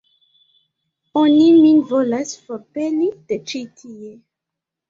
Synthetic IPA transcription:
oniminvolasfɔpelid̥et͡ʃitʰije

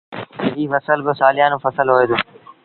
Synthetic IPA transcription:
iːfəsəlbɪsaːlɪjãːnõːfəsəlɦoːeːd̪oː

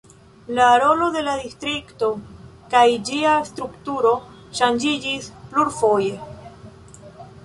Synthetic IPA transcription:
laːɾo̞lo̞de̞ladistɾikto̞kajd͡ʒiast̪ɾuktuɾo̞ | ʃand͡ʒid͡ʒispluɾfo̞je

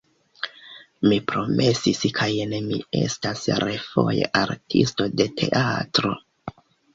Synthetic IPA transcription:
mipɾo̞mʔe̞siskʰajnemie̞̰stasɾefo̞jḛʔaɾtʰisto̞de̞tʰe̞̰ʔatɾo̞

